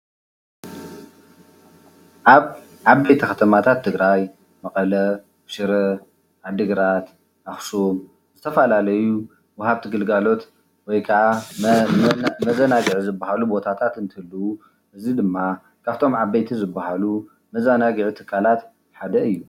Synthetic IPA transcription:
ʔaβ | ʕaβːɐjt̪ʰixɐt̪ʰɐmat̪ʰat̪ʰːɨɡɾaj | mɐkʼɐlɐ | ʃɨɾɐ | ʔad̪ɨɡɾat̪ | ʔaxsum | zɨt̪ʰɐfɐlalɐju | wɐhaβt̪ʰiɡɨlɡalo̞t̪ | wɔjkʰɐʕa | mɐzɐnaɡɨʕzɨbːahalubo̞t̪ʰat̪ʰat̪ɨnt̪ʰɨhɨlːu | ʔɨzid̪ɨmːa | kʰaβt̪ʰo̞mʕabːɐjt̪ʰizɨbːaɦalu | mɐzanaɡʕut̪ʰɨ̥kʰːalat̪ | ħad̪ɐɨjːu

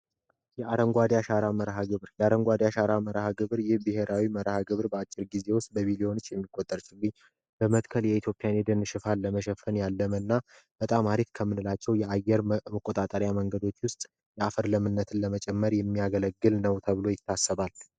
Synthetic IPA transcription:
jɛʔaɾəŋɡʷad̪jaʃaɾaməɾɦaɡɨβɾjɛaɾəŋɡʷad̪jaʃaɾaməɾhaɡɨβɨɾjɪhbihe̞ɾʔawiməɾhaɡɨβɾbəat͡ʃʼːɪɾɡize̞wʊst̪ʼbəβileo̞nɨt͡ʃːjɛmːikʼːot̪ʼːəɾt͡ʃɪɡːɨɲː | b̥əmət̪kʰəljɛit̪ʰjopʼijaned̪ənʃɪfalːəməʃɛfːənjalːəmənːa | b̥ət̪ʼamaɾikkʰəmːɨnɨlat͡ʃːɛwjɛajːɛɾməkʼːot̪ʼat̪ʼəɾjaməŋɡəd̪o̞t͡ʃːwʊst̪ʼ | jɛafəɾləmɨnːət̪ʰɨnləmət͡ʃʼɛmːəɾjɛmːijaɡələɡːɨlnəwt̪ʰəβɨlo̞jɪt̪ʰːasːəβal

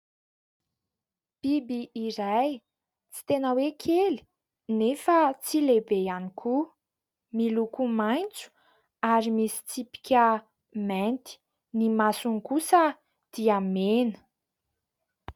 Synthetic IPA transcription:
b̥ibiːɾaj | t͡si̥t̪enəwekʰeli̥ | nefət͡silebejanikʰu | milukumajnt͡su̥ | aɾimisi̥t͡sipi̥kʲə | mɛ̃nt̪i̥ | nimasuŋkusə | d̪̥iamenə̥

